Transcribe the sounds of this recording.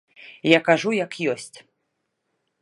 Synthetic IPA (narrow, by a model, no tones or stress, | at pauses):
jakaʐujɐkjɔsʲt͡sʲ